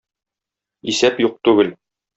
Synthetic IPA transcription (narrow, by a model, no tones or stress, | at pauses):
isæpjuq̚t̪ʉɡɘl